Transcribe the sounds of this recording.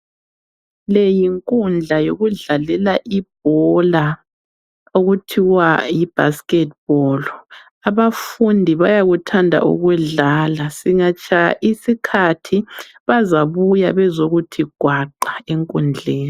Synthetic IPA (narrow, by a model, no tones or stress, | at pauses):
lejiŋkʼund͡ɮʱajoɣuɮalɛlaʔib̥̚ʱɔla | oɣutʰiwajib̥ʱa̰skʼɛt̚b̥ɔːl | aβafundʱiβajaɣutʰandʱa̰ʔṵɣwɛɮaːlasiŋat͡ʃʰʼajaʔisikʰatʰi | βazaβujaβɛzoɣutʰiɡ̥ʱwaǃaeŋkʼund͡ɮʱeːni